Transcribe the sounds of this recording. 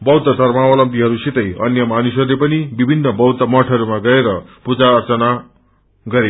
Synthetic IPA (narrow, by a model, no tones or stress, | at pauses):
bʌwd̪ʌd̪ʱʌrmawʌlʌmpiɦʌɾusit̪ʌjʌ̰njʌmanusʌɾulepʌnibibʱinːʌbʌwd̪ʌmʌʈʰʌɾumaɡʌɾeɾʌpud͡zaːrt͡sʌna | ɡʌɾe